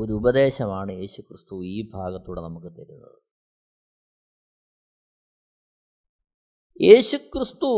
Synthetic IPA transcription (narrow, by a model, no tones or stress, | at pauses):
oɾuubɐd̪e̞ːɕɐmaːɳɨje̞ːɕukrɨst̪uiːbʱaːɡɐt̪ːuːɽḛnɐmukːɨt̪ɐɾunːɐ̰ðɨ | jʔe̞ːɕukrɨst̪u